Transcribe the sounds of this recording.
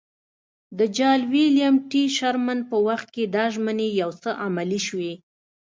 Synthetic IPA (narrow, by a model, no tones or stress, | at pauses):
d̪əd͡ʒɑlwiljamʈiʃaɾman̚pəwaxt̪̚ked̪ɑʒmənejawt͡səʔamaliʃwe